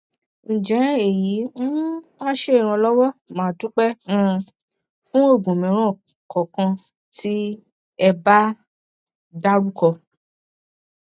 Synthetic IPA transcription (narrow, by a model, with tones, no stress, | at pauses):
ñ̩˨d͡ʒɛ̃˨˦e˨ji˨˦n̩˦mã˦ʃe˦˨ɾ̃ã˧lɔ˦wɔ˦mãː˨tu˦k͡pɛ̃˦˧ | fũ˦o˦˨ɡũ˨mĩ˨˦ɾ̃ã˦˨ | kɔ˨kã˧ | tʰi˦ | ɛ˧ba˦ | da˦ɾu˦kɔ˧